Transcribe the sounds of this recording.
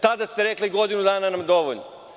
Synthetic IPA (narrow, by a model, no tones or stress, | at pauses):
t̪ad̪ast̪e̞ɾekliɡo̞d̪inud̪aːnanamd̪o̞ʋoʎno